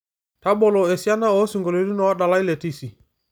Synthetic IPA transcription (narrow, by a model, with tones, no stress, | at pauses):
ta˦bɔ˨lo˨e˨si˦a˦na˦ɔ˨˦su˨ŋɡo˨lo˨di˦nɔ˨wa˦ɗa˨la˦i˦le˨ti˦si˨